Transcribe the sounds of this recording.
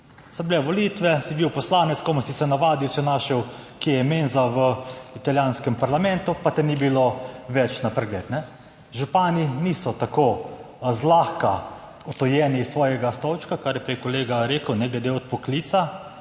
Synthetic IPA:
sɔblɛʋɔliːt̪ʋɛsibiwpɔslaːnɛtskɔmɔsisɛnaʋaːd̪iwʃɛnaːʃɛwkiɛjɛmenzaʋəit̪aljaːnskɛmpaɾlamɛnt̪upat̪ɛnibiloʋɛt͡ʃnapɾɛɡlɛːt̪nɛ | ʒupaːniniːsɔt̪akoː | zlaːxka | ɔt̪ɔjɛːnisːʋɔːjɛɡast̪ɔwt͡ʃkakaɾjɛpɾɛjkɔleːɡaɾeːkəwnɛɡlɛd̪eɔt̪̚pɔkliːt̪sa

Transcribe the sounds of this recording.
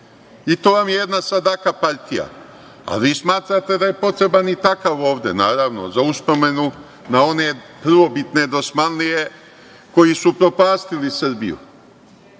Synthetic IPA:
it̪o̞ːʋamjejed̪nasad̪akapaʎt̪ija̰ | a̰lʋiːsmaːt̪ɾat̪e̞d̪aje̞po̞t̪ɾe̞banit̪akaʋo̞ːʋd̪e̞̰naːɾaʋno̰zauspo̞me̞nu | nao̞ne̞pr̩ʋo̞bit̪ne̞d̪o̞smanlije̞ | ko̞jisupɾo̞paːst̪ilisɨrbḭjṵ

